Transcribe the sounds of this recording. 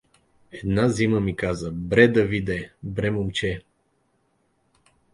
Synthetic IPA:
ɛd̪naziməmikazəbɾɛd̪ɐvid̪ɛbɾɛmomt͡ʃɛ

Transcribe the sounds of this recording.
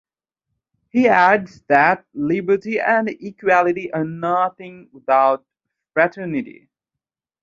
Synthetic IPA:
hiædzðɨt̚lɪbə˞ɾiʔɨ̃nikʰwælˠɨɾiʔə˞nʌθɪ̃ŋwɪðaʊt̚ | fɹætʰɜ˞nɨɾḭ

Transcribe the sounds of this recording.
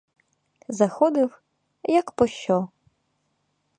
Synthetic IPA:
zɐxɔd̪ɪw | jɐkpɔʃt͡ʃɔ

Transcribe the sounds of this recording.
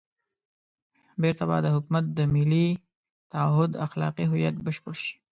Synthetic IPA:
beɾt̪aba̰jd̪əɦʊkmat̪̚d̪əmɪli | t̪aɦʊd̪axlɑ̰qiɦʊjat̪̚bəʃpəɽʃi̥

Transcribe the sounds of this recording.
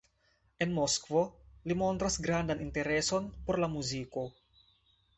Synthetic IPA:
enmoskvolimont̪ɾasɡɾand̪anint̪eɾesonpoɾlamuziko

